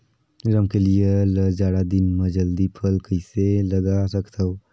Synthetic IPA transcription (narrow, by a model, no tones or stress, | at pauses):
ɾəmkelijeləd͡ʒaːɽad̪ɪnmɐd͡ʒəld̪ipʰəlkəɪselɐɡasɐkt̪ao